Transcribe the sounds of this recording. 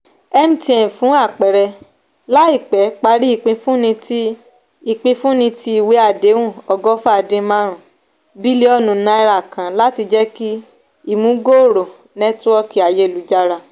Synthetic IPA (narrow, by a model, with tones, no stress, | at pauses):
ɛ˦m̩̃˦tĩ˧˦ɛ̃˨fũ˨˦a˦˨k͡pɛ˨ɾɛ˧ | la˦i˦˨k͡pɛ˨˦k͡pa˧˦ɾi˦i˦˨k͡pĩ˧fũ˦nĩ˧ti˦ | i˧˨k͡pĩ˧fũ˦nĩ˧ti˦i˨we˨˦a˨de˨˦wũ˦˨ɔ˧ɡɔ˦fa˧˨dẽ˧mã˧˦ɾ̃ũ˨ | bi˦le˦ɔ˦nũ˨nã˧i˧ɾa˦˨kã˨la˦ti˧d͡ʒɛ˦ki˦ | i˦˨mũ˨˦ɡo˦o˨ɾo˨ | nɛ˦tɔ˦ki˨a˨je˧˦˨lu˨˦d͡ʒa˧ɾa˧